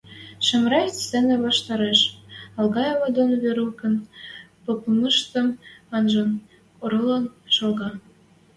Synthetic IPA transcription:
ʃə̆mɾɑtt͡senĕβɑʃt̪ɑɾeʃɑlɣɑjɑβɑd̪onβeɾukə̆npopməʃt̪ə̆mɑnʒɤn | oɾɤlɑnʃɤ̆lɣɑ

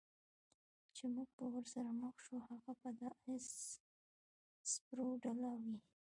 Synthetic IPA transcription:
t͡ʃemuɡ̚pəwəɾsaɾaməxʃohaɣapad̪əɪs | spɾoɖalawi

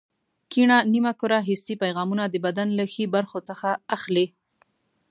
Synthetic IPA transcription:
kiɳanimakoɾaɦɪsipajɣɑmunad̪əbad̪anlaxibaɾxot͡səxaaxli

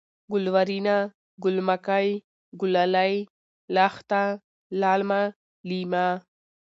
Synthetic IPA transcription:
ɡʊlwaɾina | ɡʊlmakaj | ɡʊlalaj | laxt̪a | laːlma | lima

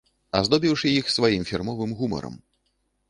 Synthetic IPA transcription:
ɐzd̪ɔbʲiwʂɨjixsvajimfʲirmɔvɨmɣumɐ̰ɾɐ̰m

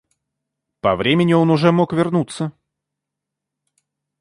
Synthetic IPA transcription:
pɐvɾʲemʲɪnʲɪo̞nʊʐɛmokvʲɪrnut̪sə

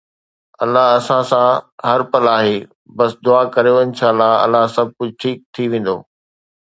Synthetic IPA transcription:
ɐlːaɦɐsãsãɦɐɾpɐlaːɦeː | bɐsɪd̪ʊaːkɐɾijoɪnʃʰaːlaɐ̰laɦsɐb̚ʱkʊd͡ʑʱʈʰiːk̚t̪ʰiʋẽːn̆d̪o̰ː

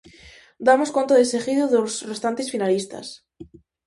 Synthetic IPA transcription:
d̪amoskont̪aðesexiðoðosre̞st̪ant̪esfinalist̪a̰s

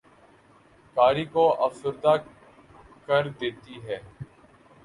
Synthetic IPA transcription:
kaːɾiːkoʔəfsʊɾd̪aː | kəɾd̪eːt̪iɦɛː

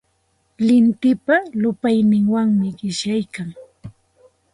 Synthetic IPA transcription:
lɪnt̪ɪpalʊpajnɪŋwaŋmɪɢɪʃjajkaŋ

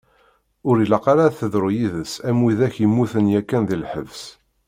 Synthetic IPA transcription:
ʊɾilɑqɑɾaθəðɾʊjiðəsæmwiðæçjimːuθənjækːænðilħə̰vs

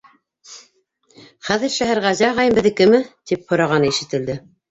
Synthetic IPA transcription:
χæðɘ̆ɾʃæɦæɾʁæzæʁɑjɤmbɘ̆ðɘkɘmɘt̪ip̚hŏɾɑʁɑnɤiʃɘ̆t̪ɘ̆ld̪ɘ

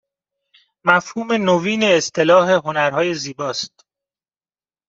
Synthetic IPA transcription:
mæfhuːme̞noviːneːst̪ʰe̞lɒːɦe̞ɦonæɾhɒːje̞ziːbɒːst̪̚

